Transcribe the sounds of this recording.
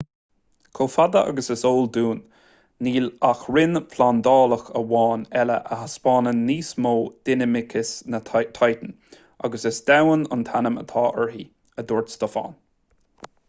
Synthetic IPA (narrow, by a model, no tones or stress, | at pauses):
kʰoːfad̪əʔa̰ɡəsɪsoːld̪uːnː | iːlaxɹɪnfland̪ɑːləxəwɑːnɛlə̰ʔəhaspɑːnənːiːsmoːd̪̥ɪnəmɪkʰɪsnət̪ʰajt̪ən̩ | a̰ɡəsɪsd̪awənə̰nt̪ʰanəmə̰t̪ʰɑːʔɛɹɦi | əd̪ɔɹtst̪əfɑ̰ːn